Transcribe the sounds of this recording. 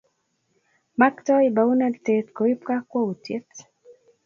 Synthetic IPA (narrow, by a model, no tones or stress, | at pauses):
maktɔibaunadtetkɔip̚kakwautjɛt